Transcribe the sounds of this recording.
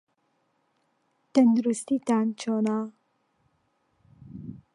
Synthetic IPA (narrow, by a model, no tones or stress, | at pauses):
t̪ɐnd̪uɾust̪it̪aːnt͡ʃonaː